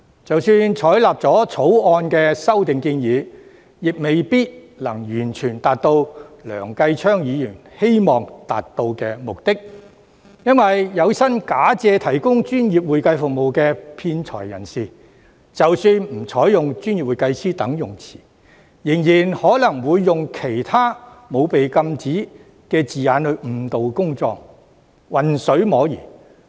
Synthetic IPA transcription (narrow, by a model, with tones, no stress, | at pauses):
t͡sɐ˨wsyː˧nt͡ʃʰɔː˨˥jlaː˨p̚t͡sɔː˨˥t͡sʰo˨˥wɔː˧nkɛː˧sɐ˥wt̪ɪ˨ŋkiː˧njiː˨˧ | jɪ˨k̚me˨jpiː˥t̚ | lɐ˨˩ŋjyː˨˩nt͡ʃʰyː˨˩nt̪aː˨t̚t̪o˧wlœ̰ː˨˩ŋkɐ˧jt͡ʃʰœː˥ŋjiː˨˧jyː˨˩nhe˥jmɔː˨ŋt̪a̰ː˨t̚t̪o˧wkɛː˧mʊ˨k̚t̪ɪ˥k̚ | jɐ˥nwɐ˨jːɐ˨˧wsɐ˥nkaː˨˥t͡sɛː˧t̪ʰɐ˨˩jkʊ˥ŋt͡ʃyː˥njiː˨p̚wuː˨jkɐ˧jfʊ˨k̚mo˨wkɛː˧pʰiː˧nt͡sʰɔ̰ː˨˩jːɐ̰˨˩nsiː˨ | t͡sɐ˨wsyː˧nm̩˨˩t͡sʰɔː˨˥jjʊ˨ŋt͡ʃyː˥nji˨p̚uː˨jkɐ˧jsiː˥t̪ɐ˨˥ŋjʊ˨˩ŋt͡sʰi̥ː˨˩ | jɪ˨˩ŋjiː˨˩nhɔː˨˥lɐ˨˩ŋwuː˨˧jːʊ˨ŋkʰe˨˩jt̪ʰaː˥ | mo˨˧wpe˨jkɐ˧mt͡siː˨˥ | kɛː˧t͡siː˨jaː˨˥nɵ˨˧m̩˨˩t̪o˨wkʊ˥ŋt͡sɔ̰ː˧k̚ | wɐ˨nsɵ˨˥ɥmɔː˨˧˥jḭː˨˩